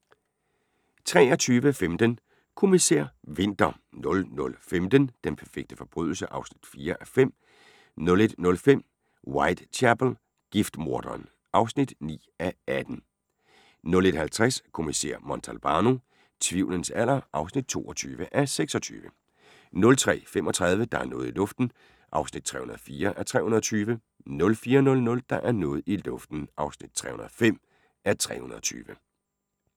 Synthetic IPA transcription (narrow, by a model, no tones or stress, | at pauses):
t͡sʰʁɛːɒt͡sʰyːʋəfemd̥ən | kʰo̝miseɐ̰ʋe̝n̰d̥ɐ | nɔ̽lnɔ̽lfemd̥ənd̥enpʰæɐfeɡ̥̚d̥əfɒ̽b̥ʁy̰ðˠl̩səʔɑ̈ʊsnid̥fiːɐʔæfem̰ | nɔ̽le̝d̥nɔ̽lfem̰ | wɑ̈ɪd̥t͡sʰæb̥l̩ | ɡ̥ifd̥mo̝ɐd̥ɐn | ɑ̈ʊsnid̥nḭːæʔæd̥n̩ | nɔ̽le̝d̥hælt͡sʰʁaskʰo̝misḛɐ̰mɒnt͡sʰælb̥ɑ̈ːno̝ | t͡sʰʋiʊlənsʰæl̰ɐʔɑ̈ʊsnid̥̚t͡sʰo̝̰ːɒ̽t͡sʰyːʋəʔæseɡ̥sɒt͡sʰy̰ːʋə | nɔ̽lt͡sʰʁɛ̰ːfem̰ɒ̽t͡sʰʁɑð̞ˠʋəd̥ɑ̈æɐnɔ̽ːð̞̩ˠilɔ̽fd̥n̩ | ʔɑ̈ʊsnid̥̚t͡sʰʁɛ̰hunɐð̩ˠfiːɐʔæɐt͡sʰʁɛ̰hunɐðˠt͡sʰyːʋə | nɔ̽lfiːɐɒnɔ̽lnɔ̽ld̥ɑ̈ʔæɐnɔ̽ːð̩ˠilɔfd̥n̩ʔɑ̈ʊsnid̥̚t͡sʰʁɛ̰ːhunɐð̩ˠfem̰ | ʔæɐt͡sʰʁɛ̰ːhunɐðˠɒt͡sʰy̰ːʋə